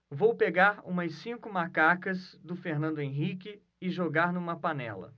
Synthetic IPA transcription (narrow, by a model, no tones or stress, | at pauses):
vowpeɡaɾṵ̃mɐsĩŋkʊmakakɐzd̪ʊfeɾnɐ̃nd̪ʊẽɦikɪ | ɪʒoɡaɾnũmɐpanɛ̰lɐ̰